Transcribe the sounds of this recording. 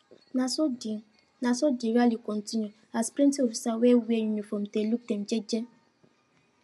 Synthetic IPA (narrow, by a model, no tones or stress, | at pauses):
nãsi | nãsɔdiɾalikɔ̃ntĩnjũ | aspɾĩntiofisawɛwiejũnĩfɔ̃mteluk̚tɛ̃md͡ʒɛd͡ʒɛ